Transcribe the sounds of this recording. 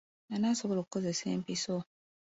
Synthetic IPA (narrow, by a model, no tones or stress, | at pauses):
nanasoβoloku̥kozesḛːmpiso